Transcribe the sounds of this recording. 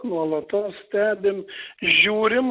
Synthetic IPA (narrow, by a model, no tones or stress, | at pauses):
nuɔlˠɐt̪ɐssʲt̪ʲæːbʲɪmʒʲuːɾʲɪm